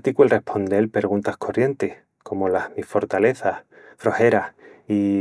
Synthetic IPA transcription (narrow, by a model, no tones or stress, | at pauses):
t̪ikwelre̞hpʰo̞nd̪e̞lpe̞ɾɣunt̪ahkʰo̞rje̞nt̪eh | kʰo̞mo̞lahmifo̞ɾt̪ale̞θah | fɾo̞he̞ɾahi